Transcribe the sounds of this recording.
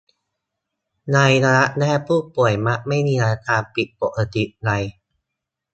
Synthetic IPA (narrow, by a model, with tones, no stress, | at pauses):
na˧jɾaː˧ɾa˦˥ʔnɛː˥˩pʰuː˥˩pu˨˩əjma˦˥ʔma˥˩jmiː˧ɾa˧a˧˥t̪aː˧npi˨˩t̪̚po˨˩ʔa˧˩t̪i˨˩ʔɾa˧j